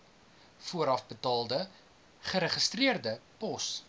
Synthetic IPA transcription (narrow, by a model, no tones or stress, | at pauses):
fuəɾɐfbətɑːlˠdə | χəɾəχəstriərdəpɔs